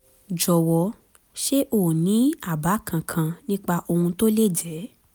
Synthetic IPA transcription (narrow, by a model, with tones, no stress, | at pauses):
d͡ʒɔ˨wɔ˧ | ʃe˦ʔoː˦˨nĩ˨˦a˦˨ba˨˦kʰã˨kʰã˧nĩ˦k͡pa˧ʔo˧hũ˧to˦le˦˨d͡ʒɛ˨˦